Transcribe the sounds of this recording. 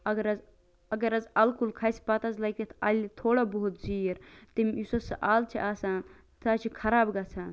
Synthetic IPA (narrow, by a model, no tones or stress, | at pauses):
ɐɡɐɾɐz | ɐɡɐɾɐzɐlkulkʰɐːjspat̪ɐzlɐkt̪it̪ʰɐlt̪ʰoːɽabɐɦut̪̚ziːɾt̪imjusɐsɐʔaːlt͡ʃʰiʔaːsaːn | t̪aːt͡ʃʰikʰɐɾaːbɡɐt͡sʰaːn